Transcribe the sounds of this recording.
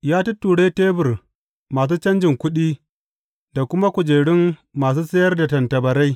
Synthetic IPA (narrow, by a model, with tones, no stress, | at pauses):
jaː˦tu˦tːuː˨ɽe˦teː˦bɪ˨r | maː˨s̬uː˦t͡ʃɐ˦nd͡ʒɪ˨ŋkʷʊ˦ɗiː˦ | da˨kʷʊ˦ma˦kʷʊ˨d͡ʒeː˨ɽɪ˦mːaː˨s̬uː˦sɐ˦jɐ˦rda˨tɐ˨ntɐ˨bɐ˨ɾa˦j